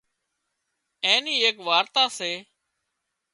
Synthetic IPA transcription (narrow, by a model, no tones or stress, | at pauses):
ẽːniːeːkʋaːɾt̪aːseː